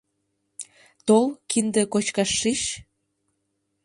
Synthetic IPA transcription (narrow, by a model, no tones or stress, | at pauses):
t̪olkind̪ĕkot͡ɕkɑʃːiʃ